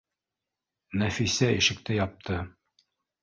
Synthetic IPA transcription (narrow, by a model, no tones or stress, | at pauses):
næfisæiʃɘ̆k̚t̪ɘjɑp̚t̪ʰɤ